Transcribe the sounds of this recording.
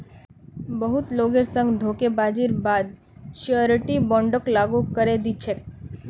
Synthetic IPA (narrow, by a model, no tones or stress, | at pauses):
bəɦut̪loɡeɾsə̃ŋɡd̪ʱokebad͡ʒiɾbad̪ | ʃoɾʈibɔ̃ɳɖəklaɡukəɾed̪it͡ʃʰek̚